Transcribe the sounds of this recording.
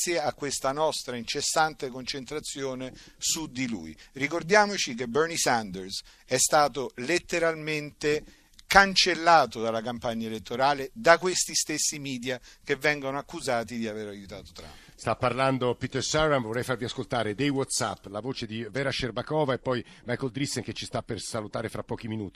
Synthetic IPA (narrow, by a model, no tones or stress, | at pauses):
sjeakːwest̪anɔst̪ɾaint͡ʃesːant̪ekont͡ʃent̪ɾat̪sːjoːnesud̪ilṵjrikord̪jaːmot͡ʃik̬ebɛrnisand̪ers | ɛst̪aːt̪olet̪ːeɾalment̪e | kant͡ʃelːaːt̪od̪alakampaɲːaelet̪ːoɾaːled̪akwest̪ist̪esːimiːd̪jakevːɛŋɡonoakːuzaːt̪id̪iaveɾajut̪aːt̪o̥t̪ɾa̰m | st̪apːarland̪opit̪ersaɾanvoɔrɛjfaɾviaskolt̪aːɾed̪ejwɔt̪sa̰pːlavoːt͡ʃed̪ivɛːɾaʃerbakɔːvaepːɔj | majkɔld̪ɾisːeŋket͡ʃːist̪apːersalut̪aːɾefɾapːɔːkiminuːt̪i